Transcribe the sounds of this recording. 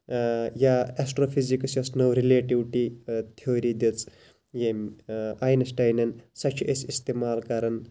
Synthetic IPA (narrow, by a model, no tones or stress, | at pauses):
jaesʈɾoːpʰizikɐsjɐsnɐwɾileːʈiwʈit̪ʰijoːɾid̪it͡sʼ | jemaːjnɐsʈɐjnɐnsɐt͡ʃʰiʔesist̪emaːlkɐɾɐn